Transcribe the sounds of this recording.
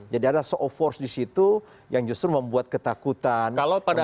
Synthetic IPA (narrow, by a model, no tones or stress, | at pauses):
d͡ʒadiadasoʔofɔrsdisit̪u | jaŋd͡ʒust̪ɾuməmbuat̪̚kət̪akut̪ankalapada